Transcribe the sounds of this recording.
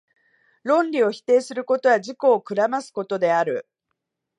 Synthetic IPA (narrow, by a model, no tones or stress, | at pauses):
ɾõ̞nɾʲio̞çi̥t̪e̞ːsɨɾɯ̟ko̞t̪o̞βaʑiko̞ːkɯ̟ɾamasɨ̥ko̞t̪o̞d̪e̞aɾɯ̟